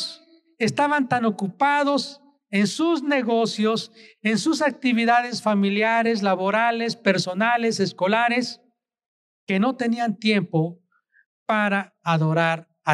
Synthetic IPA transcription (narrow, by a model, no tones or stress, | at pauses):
s | e̞st̪aβant̪ano̞kupaðo̞s | e̞nsuzne̞ɣo̞sjo̞se̞nsusak̚t̪iβiðaðe̞sfamiljaɾe̞s̬laβo̞ɾale̞spe̞ɾso̞nale̞se̞sko̞laɾe̞s | ke̞no̞t̪e̞niant̪je̞mpo̞ | paɾaː | ðo̞ɾaɾ | a